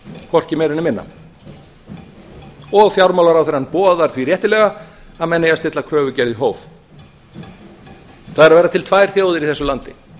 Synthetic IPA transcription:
kʰɔr̥cɪmɛɾɪnːɪmɪnːa̰ | ɔɣfjawɾmawlaɾawθeɾanpɔːðaɾ̥θvirjɛht̪ɪlɛɣaaðmɛnːɪjast̪ɪt̪lakʰɾœːvʏcɛɾðɪɦoːwv | θaðɛɾavajɾat̪ʰɪlt̪ʰvaːjɾ̥θjoːwðɪɾiθɛsʏlant̪ɪ

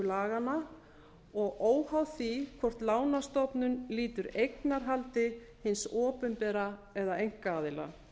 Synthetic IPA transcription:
laːɣana | ɔɣoːwhawθikʰɔr̥t̪laːwnast̪ɔpnʏnliːt̪ʏɾejknaɾ̥ɦalt̪ɪ | hɪnsɔːpʏmpɛːɾaɛðaejŋ̥kaaːðɪla̰

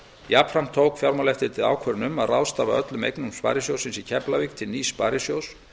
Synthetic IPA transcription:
japɾam̥t̪ʰowkfjawɾmalɛft̪ɪt̪ʰɪða̰wkʰvœɾɪnʏmaðrawst̪aːvaœt̪lʏmḛjknumspa̰ːɾɪsjowsɪnsicʰɛplavikt̪ʰɪlniːspaːɾɪsjows

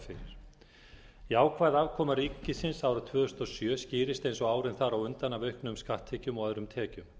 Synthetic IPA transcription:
fɪɾɪɾ̥ | iaːwkʰvaːðavkʰɔːmaɾiːcːɪsɪnsaːwɾat̪ʰvœːðʏst̪ɔsjœːsciːɾɪst̪ejnsɔɣaːwɾɪnθaɾawʏnt̪anːavœɥhknʏmskaht̪ʰːɛcʏmɔɣaðɾʏmt̪ʰɛːcʏm

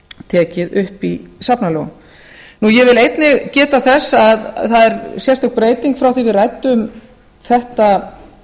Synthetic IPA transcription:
t̪ʰɛːcɪðʏhpisapnalɔɣ | nujɛvɪlejt̪nɪɣcɛːt̪aθɛsːaðθaðɛɾsjɛrst̪ɔk̪pɾeːjt̪iŋkfɾawθivɪðrajt̪ʏm | θɛht̪a

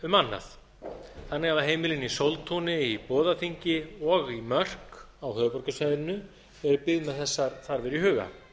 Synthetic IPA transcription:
ʏmanːa̰θ | θanːɪɣavaɦeːjmɪlɪnisowlt̪ʰunɪipɔːðafiɲcɪɔɣimœr̥k | awhœːpɔɾkʏsvajðɪnːʏ | ɛɾʏpɪɣmɛðθɛsːaɾ̥θaɾvɛɾihʏːɣa̰

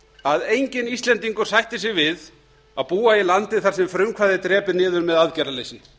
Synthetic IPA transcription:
aðejɲcɪnist̪lɛnt̪iŋkʏɾ̥sajht̪ɪs̬ɛɣvɪð | aðpuːailant̪ɪθaɾ̥sɛmfɾʏmkʰvaðɪt̪ɾɛːpɪnɪːðʏɾmɛðaðcɛɾalejsɪn

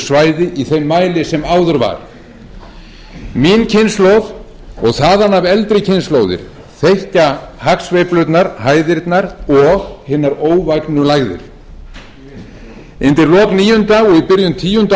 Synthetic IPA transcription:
svaːjðɪʔiθejmːaːjlɪsɛmaːwðʏɾva̰ɾ̥ | miːncʰɪnslowð | ɔɣθaːðanːavɛlt̪ɾɪcʰɪnsloːwðɪ̰ɾ̥ | θejhcahaksvejplʏt̪naɾɦaːjðɪɾt̪naɾɔɣhɪːnaɾoːwvajknʏlaɣðʏ̰ɾ̥ | ɪnt̪ɪɾlɔːkniːjʏnt̪aɔɣipɪɾjʏmt̪ʰiːjʏnt̪

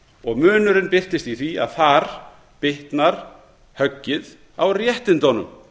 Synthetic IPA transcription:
ɔɣmʏːnʏɾɪnpɪr̥t̪ɪst̪iθvia̰ðθaɾ̥ | pɪht̪naɾ̥ | hœcːɪð | awrjɛht̪ɪnt̪ɔnʏm

